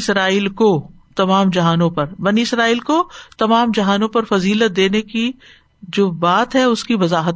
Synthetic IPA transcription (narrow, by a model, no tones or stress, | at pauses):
sɾaːiːlko | t̪ɐmaːmd͡ʒɐɦaːnõpɐɾbɐniɪsɾaːiːlkot̪ɐmaːmd͡ʒɐɦaːnõpɐɾfɐziːlət̪̚d̪eːneki | d͡ʒoːbaːt̪ɦɛʊskiʋɐzaːɦət̪